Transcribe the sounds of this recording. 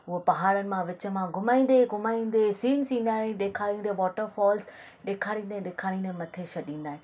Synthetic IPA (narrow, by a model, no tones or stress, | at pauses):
ʊɦopɐɦaːɽənɪ̆mãʋɪt͡ɕə̆mãɡʱʊmaːĩːn̆d̪eɡʱʊmaːĩːn̆d̪esiːnsĩːn̆d̪aːɽĩɗeːkʰaːɽĩːn̆d̪eʋɔːʈəɾfɔːls | ɗeːkʰaːɽĩːn̆d̪eɗeːkʰaːɽ̃ĩːnemɐt̪ʰeʃɐɗĩːnd̪aːɦẽ